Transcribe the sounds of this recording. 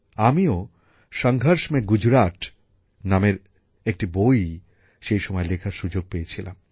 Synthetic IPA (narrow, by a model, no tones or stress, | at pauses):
amio | ʃɔŋɡʱaɾʃmeɡud͡ʑɾaʈ | nameɾ | ek̚ʈiboj | ʃejʃɔmɔelekʰaɾʃud͡ʑoɡ̚pejet͡ɕʰila̰m